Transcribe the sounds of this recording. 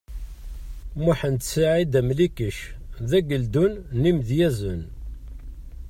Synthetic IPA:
muħənt̪siʕid̪æmlikəʃðæɡəld̪unnimðjæzən

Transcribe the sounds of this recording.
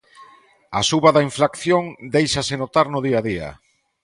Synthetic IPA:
a̰suβaðaiɱfɾakθjoŋd̪ejʃasɪnot̪aɾnʊðiaðia̰

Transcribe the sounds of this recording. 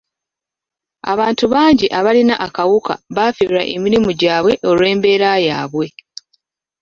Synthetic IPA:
a̰βaːntuβaːɲɟiʔaβalinaʔakawuka̰βaːfiɾuɾa̰ʔemiɾimuɟaːβwe̞ʔo̞lwe̞ːmbe̞ːɾajaːβwe̞

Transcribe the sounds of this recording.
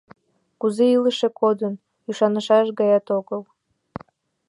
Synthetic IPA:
kuzeiləʃekod̪ən | yʃɑnəʃɑʃɣɑjɑt̪oɣəl

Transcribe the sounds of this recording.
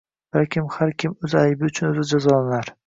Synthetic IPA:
v̥aɾkʲʰɪmhaɾkʲɪmɵzajbɪʊt͡ʃʰʊnɵzɪd͡ʒazɒlanaɾ

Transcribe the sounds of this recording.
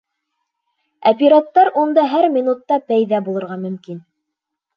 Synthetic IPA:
ɐpʲɪɾat̪ːɑɾʔund̪ɑɦæɾmʲinut̪ːɑpæjðæbulˠɤ̆ɾʁɑmɵ̆mkin

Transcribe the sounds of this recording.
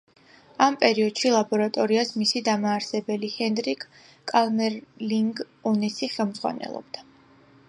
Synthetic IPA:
ampʼɛɾiɔd̪̥ʃilˠabɔɾat̪ʼɔɾiasmisid̪amaːɾsɛbɛlihɛnd̪ɾikʰʼ | kʼalˠmɛɾliŋɡ | ɔnɛsiχɛlˠmdzʁwa̰nɛ̰lˠɔ̰b̥̚d̪̥a

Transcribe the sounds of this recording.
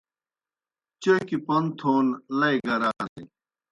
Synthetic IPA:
t͡ɕɐkipɐnt̪ʰoːnlɐiɡɐɾanḭ

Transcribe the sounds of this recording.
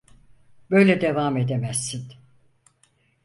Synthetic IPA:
bø̞jlʲɛd̪evaːmed̪emæz̥ːin

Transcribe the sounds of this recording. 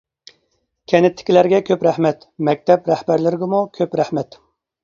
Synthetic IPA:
kʲʰɛnɪt̪ʰːɪ̥kʲʰilæɾɡʲɛkʲʰøpɾæhmɛt̪mɛk̚ʲt̪ʰɛpɾæhbæɾlɪɾɪɡ̪ʲɪmukʲʰøpɾæhmɛt̪

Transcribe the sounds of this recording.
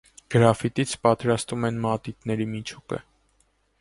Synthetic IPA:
ɡ̥əɾɑfit̪it͡sʰpɑt̪ɾɑst̪umɛnmɑt̪it̪nɛɾimit͡ʃʰukə̰

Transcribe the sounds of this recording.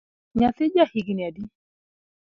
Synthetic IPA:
ɲaθɪd͡ʒahiɡiniadi

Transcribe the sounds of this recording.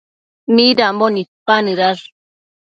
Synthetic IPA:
miɾamonit̪̚panɨɾaɾ

